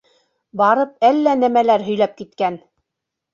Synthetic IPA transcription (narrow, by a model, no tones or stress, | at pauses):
bɑɾɤp̚ælːænæmælæɾɦɵ̆jlæp̚kit̪kæn